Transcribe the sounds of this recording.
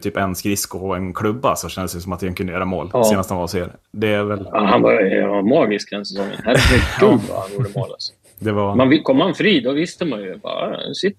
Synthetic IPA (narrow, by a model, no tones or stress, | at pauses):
t̪ʰyːpɛnskɾɪskʊɔɛnkʰlɵbːasɔɕɛnd̪əsjsɔmat̪̚ɛnkɵnd̪əjøːɾamo̰ːlːeːnast̪hanvaɾsḛːɾd̪ɛæɾvɛlhanva̰amɑːɡɪskhd̪ɛnsɛsɔŋːə̰nhæːɾɛfɛkʉva̰hanjuːɖəmo̰ːla̰s | d̪ɛvamanvɪkʰɔmːhanfɾiːd̪ɔvɪst̪əmanjɵjbɑ̰ːsɪt̪ː